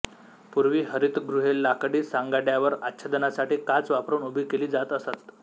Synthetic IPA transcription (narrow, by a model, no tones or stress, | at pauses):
puɾʋiːɦəɾit̪ɡɾuɦelːakɽiːsaŋɡaɖjaʋəɾat̪ːɕʰəd̪ənasaʈiːkat͡sʋapɾəuːnubʱiːkeliːd͡zat̪əsat̪